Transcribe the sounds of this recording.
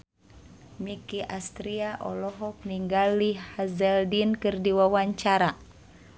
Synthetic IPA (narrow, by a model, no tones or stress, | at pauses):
mikiʔast̪ɾiaʔɔ̰lɔɦɔk̚niŋɡalːihazɛldinkɨrdiwawaɲt͡ʃaɾa